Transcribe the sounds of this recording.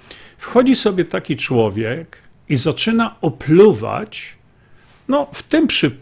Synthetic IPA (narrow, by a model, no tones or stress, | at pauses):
fxɔd͡ʑisɔbʲjɛt̪akʲit͡ʂwɔvʲjɛk | izat͡ʂɘnaɔpluva̰t͡ɕ | nɔft̪ɘmpʂɘ